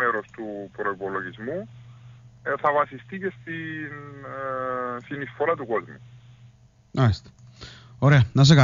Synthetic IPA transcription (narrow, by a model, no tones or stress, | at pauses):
eɾo̞st̪upɾo̞ipolo̞ʝizmu | eθɐvɐsist̪icest̪in | sinisfo̞ɾɐt̪uko̞zmu | ɐst̪e̥ | oɾeɐnɐs̬ekɐ